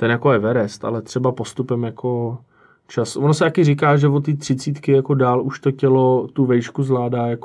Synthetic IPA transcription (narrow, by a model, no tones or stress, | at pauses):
t̪ɛnjakojɛvɛɾɛst̪a̰lɛt̪r̝̥ɛbapo̞st̪upɛmjako̞ | t͡ʃasvonosɛt̪akɪrɪkaːʒɛvot̪iːt̪r̝̥ɪt͡siːt̪kɪjako̞daːluʃt̪o̞cɛlot̪uvɛjʃkuzlaːdaːjak